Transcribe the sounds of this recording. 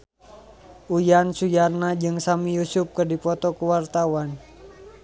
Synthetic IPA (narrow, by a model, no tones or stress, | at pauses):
ujansujarnad͡ʒɨŋsamijusʊp̚kɨrdipɔt̪ɔkuwart̪awan